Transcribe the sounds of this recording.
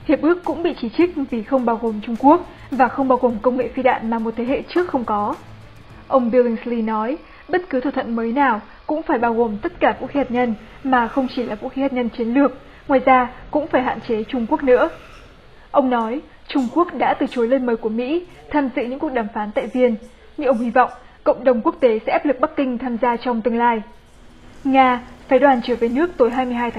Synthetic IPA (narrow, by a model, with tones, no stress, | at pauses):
hi˨˩əp̚ʔɨ˦˥əkːʊ̰˧˥ŋ͡mɓḭ˧˨t͡ɕi˧˩t͡ɕi˦˥k̟̚vi˨˩xə˧wŋ͡mɓaː˧wɣo˨˩mt͡ɕʊ˧ŋ͡mku˦˥ək̚ | vaː˨˩xə˧wŋ͡mɓaː˧wɣo˨˩mkə˧wŋ͡mŋḛ˧˨fi˧ɗa̰ː˧˨nmaː˨˩mo˨˩t̚t̪ʰe˨˦hḛ˧˨t͡ɕɨ˦˥ək̚xə˧wŋ͡mkɔ˨˦ | ʔə˧wŋ͡mvi˧li˧ŋsli˧nɔ˨˦j | ɓə˦˥t̚kɨ˨˦t̪ʰaː˨˧˩t̪ʰə̰˧˨nməː˨˦jnaː˨˩w | kʊ̰˧˥ŋ͡mfaː˧˩jɓaː˧wɣo˨˩mt̪ə˦˥t̚kaː˧˩vṵ˧˥xi˨˦haː˨˩t̚ɲə˧n | maː˨˩xə˧wŋ͡mt͡ɕi˧˩laː˨˩vṵ˧˥xi˨˦haː˨˩t̚ɲə˧nt͡ɕi˨˦ənlɨ˨˩ək̚ | ŋwaː˨˩jzaː˧kʊ̰˧˥ŋ͡mfaː˧˩jɦa̰ː˧˨nt͡ɕe˨˦t͡ɕʊ˧ŋ͡mku˦˥ək̚nɨ̰˧˥ə | ʔə˧wŋ͡mnɔ˨˦j | t͡ɕʊ˧ŋ͡mku˦˥ək̚ɗa̰ː˧˥t̪ɨ˨˩t͡ɕo˨˦jləː˧nməː˨˦jku˧˩əmḭ˧˥ | t̪ʰaː˧mzɨ̰˧˨ɲɨ̰˧˥ŋku˨˩ək̚ɗaː˧˩mfaː˨˦nt̪a̰ː˧˨jvi˧ən | ɲɨ˧ʔə˧wŋ͡mhi˧vɔ̰˧˨wŋ͡m | kə̰˧˨wŋ͡mɗə˨˩wŋ͡mku˦˥ək̚t̪e˨˦sɛ̰˧˥ʔaː˦˥p̚lɨ˨˩k̚ɓa˦˥k̚ːï˧ŋt̪ʰaː˧mzaː˧t͡ɕɔ˧wŋ͡mt̪ɨ˧əŋlaː˧j | ŋaː˧faː˨˦ɗwaː˨˩nt͡ɕɨ˧˩ve˨˦nɨ˦˥ək̚t̪o˨˦jɦaː˧jmɨ˧əɦaː˧jt̪ʰa˨˦